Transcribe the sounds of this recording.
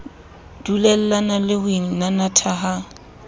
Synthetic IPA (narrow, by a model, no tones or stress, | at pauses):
d̥ulɛl̩lanalɪhweŋ̩nanatʰaɦa